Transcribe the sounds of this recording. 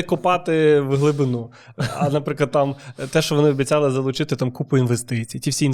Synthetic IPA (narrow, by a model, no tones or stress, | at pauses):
kʊpɑt̪ɪʋɦlˠɪbɪnu | ɐ̰nɐpɾɪklˠɐd̪̚t̪ɑmt̪ɛʃt͡ʃɔʋɔnɪɔbʲit͡sʲɑlˠɪzɐlˠʊt͡ʃɪt̪ɪt̪ɑmkupʊinʋest̪ɪt͡sʲijːtʲiʋsʲiin